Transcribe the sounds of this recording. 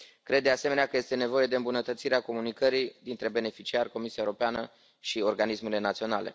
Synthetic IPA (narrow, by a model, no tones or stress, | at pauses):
kɾe̞d̪ːease̞meneakəjest̪e̞ne̞vo̞je̞d̪eɨmbunət̪ət̪siɾeako̞munikəɾid̪int̪ɾe̞be̞ne̞fit͡ʃiarʲko̞misiaeoɾo̞peanə | ʃio̞rɡanisme̞le̞nat̪sio̞nale̞̰